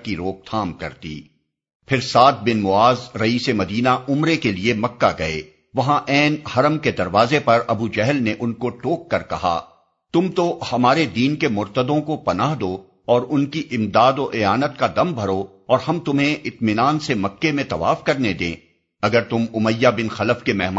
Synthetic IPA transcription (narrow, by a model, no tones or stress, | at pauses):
kiɾoːk̚t̪ʰaːmkɐ̰ɾt̪ḭː | pʰɪɾsaːt̪̚bɪnmʊaːzɾɐiːsemɐd̪iːnaʔʊmɾekeliemɐkːaɡɐeː | ʋɐɦãʔɛːnhɐɾəmked̪ɐɾʋaːzepɐɾɐbud͡ʒɛɦəlneʔʊnkoʈoːkːɐɾkɐ̰ɦa̰ | t̪ʊmt̪ohɐmaːɾed̪iːnkemʊɾt̪əd̪õkopɐnaːɦd̪oː | ɔːɾʊnkiʔɪmd̪aːd̪oʔeaːnət̪kad̪ɐmbʱɐɾo | ɔːɾhɐmt̪ʊmɦẽʔɪt̪mɪnaːnsemɐkːemẽt̪ɐʋa̰ːfkɐɾned̪ḛ̃ː | ɐɡəɾt̪ʊmʊməjːabɪnxɐləfkemɛːɦm